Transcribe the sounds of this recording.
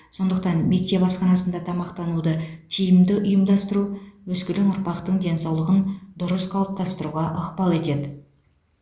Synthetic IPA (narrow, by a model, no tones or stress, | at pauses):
so̞nd̪əq̚t̪ɑnme̞k̚t̪e̞pɑsqɑnɑsənd̪ɑt̪ʰɑmɑqt̪ɑnud̪ət̪ʰijɪmd̪ɪʔʊjəmd̪ɑst̪əɾuwɵskʲɪlɪŋʊɾpɑqt̪əɴd̪e̞nsɑwlˠəʁənd̪ʊɾəsqʰɑlˠəp̚t̪ɑst̪əɾuʁɑʔəqpɑlˠe̞t̪e̞d̪ɪ